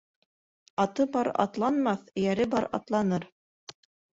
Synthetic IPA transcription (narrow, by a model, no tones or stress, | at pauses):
ɑt̪ɤbɑɾɑ̰t̪lˠɑnmɑθ̆jæɾɘbɑɾɑ̰t̪lˠɑnɤɾ